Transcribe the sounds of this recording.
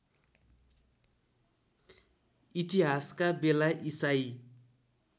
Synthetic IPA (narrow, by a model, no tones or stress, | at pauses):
it̪iɦaskabelaʔisaj